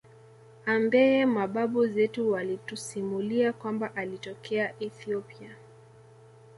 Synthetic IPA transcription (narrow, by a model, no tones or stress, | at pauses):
ambɛɛmaɓaɓuzɛtuwalitusimuliakwambaʔalitɔkɛaʔɛθiɔpia